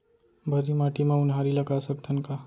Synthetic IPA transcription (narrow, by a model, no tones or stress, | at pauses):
bʱəɾimaːʈimẽʊnɦaːɾilɐɡasək̚t̪ʰənka